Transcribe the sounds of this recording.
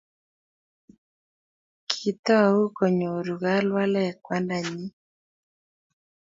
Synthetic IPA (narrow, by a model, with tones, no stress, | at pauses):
kʰi˨t̪ɔ˦˨u˦kɔ˨ɲo˨ɾu˨ɣa˦lwa˦lɛ˦˨kwa˦nda˨ɲi˦